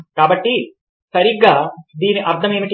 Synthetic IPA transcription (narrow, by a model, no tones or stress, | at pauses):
kaːbɐʈːi | sɐɾiɡaːd̪iːniʔɐɾt̪ʰɐmeːmiʈ